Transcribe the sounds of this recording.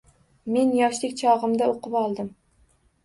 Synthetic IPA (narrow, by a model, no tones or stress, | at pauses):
me̞njɒʃlɪkʲt͡ʃʰɒʁɨmd̪aoqɨpɒlˠd̪ɪm